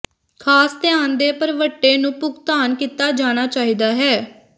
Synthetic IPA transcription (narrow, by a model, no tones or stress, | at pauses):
kʰaːst̪ɛaːnd̪eːpəɾʋəʈːeːnũːpʊɡt̪aːnkiːt̪aːd͡ʒaːñaːt͡ʃaːiːd̪aːɦɛː